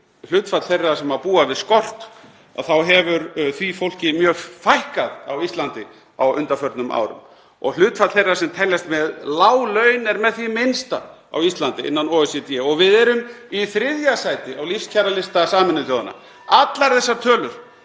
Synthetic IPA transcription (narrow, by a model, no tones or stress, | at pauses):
l̥ʏːt̪fat̪l̥θejrːasɛmapuːavɪðskɔr̥t̪ | a̰ðθawɦɛvʏɾθvifowl̥cɪmjœːɣfajhkaðawist̪lant̪ɪ | a̰wʏ̰nt̪afœɾt̪nʏmʔa̰ːwɾʏ̰m | ɔ̰ɣl̥ʏːt̪fat̪θejrːasɛmt̪ʰɛjljast̪mɛðlaːwlœːɥnɛɾmɛðθimɪnst̪a̰a̰wist̪lant̪ɪɪ̰nːanoːɛsɛt̪jɛɔɣvɪðɛɾʏmiθɾɪðjasajt̪ɪawlifst̪cʰaɾalɪst̪asaːmɪnːʏθjoːwðana̰ | at̪laɾθɛsːat̪ʰœːlʏɾ̥